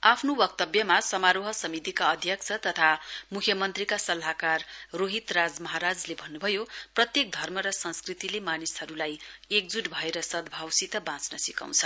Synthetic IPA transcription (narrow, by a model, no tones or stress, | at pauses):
apʰnowʌk̚t̪ʌbjʌmasʌmaɾoɦʌsʌmit̪ikaʌd̪ʱjʌk̚t͡sʰʌt̪ʌt̪ʰamukʰjʌmʌnt̪rikasʌlɦakarroɦit̪rad͡zmʌɦaɾad͡zlebʱʌnːubʱʌjoprʌt̪jek̚d̪ʱʌrmʌɾʌsʌnskrit̪ilemanisɦʌɾulajek̚d͡zuʈbʱʌeɾʌsʌd̪bʱawsit̪ʌbãt͡snʌsika̰w̃t͡sʰʌ̥